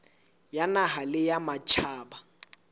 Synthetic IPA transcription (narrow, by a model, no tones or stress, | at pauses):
janaɦalɪjamat͡ʃʰaːba